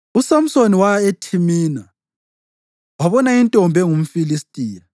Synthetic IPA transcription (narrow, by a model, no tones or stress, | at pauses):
usam̩soniwaetʰimiːna | waβɔnaintʼɔmbʱɛŋum̩filistʼiːja